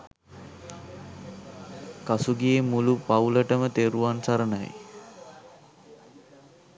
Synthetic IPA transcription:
kasuɡiemulupauləʈəmət̪eɾuʋansaɾəna̰j

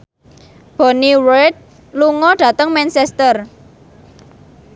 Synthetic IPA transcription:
b̥o̤niwet̪̚ | luŋɔɖ̥ä̤t̪əŋmɛnsɛst̪ər

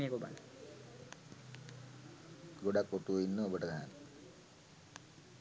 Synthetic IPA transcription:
ekoba̰l | ɡoɖakːoʈuoinːəobəʈəd̪aɦan

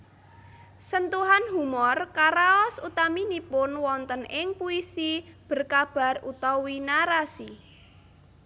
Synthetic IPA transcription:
sənt̪uɦanɦumɔrkaɾaɔsut̪aminipʊnwɔnt̪ənɪŋpuisib̥ə̤rkab̥a̤rut̪ɔwinaɾasi

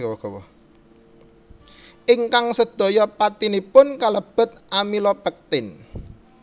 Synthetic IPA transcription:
ɔɡ̥ɔwɔ | ʔiŋkaŋsəd̪̥o̤jɔpat̪inipʊnkaləb̥ə̤t̪̚ʔamilɔpək̚t̪ɪn

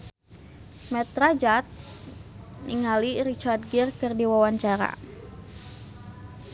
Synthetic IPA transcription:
mɛt̪ɾad͡ʒat̪̚ | niŋaliɾit͡ʃard̪̚ɡirkɨrdiwawaɲt͡ʃaɾa̰

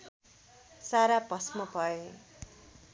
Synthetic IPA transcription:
saɾapʌsmʌpʌe

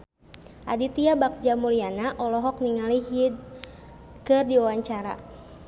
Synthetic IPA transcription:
ʔadit̪iabak̚d͡ʒamulianaʔɔlɔɦɔk̚niŋaliɦid̪̚ | kɨrdiwawaɲt͡ʃaɾa̰

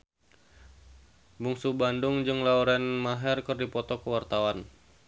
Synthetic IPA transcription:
buŋsubandʊŋd͡ʒɨŋlauɾɛnmaɦɛrkɨrdipɔt̪ɔkəwart̪awan

